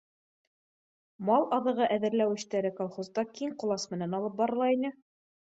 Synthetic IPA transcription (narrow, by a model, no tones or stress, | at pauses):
mɑlˠʔɑðɤ̆ʁɤʔæðɘ̆ɾlæwɘ̆ɕt̪æɾɘkolˠχozd̪ɑkiŋqŏlˠɑsmɘ̆nænɑlˠɤp̚bɑɾɤ̆lˠɑinɘ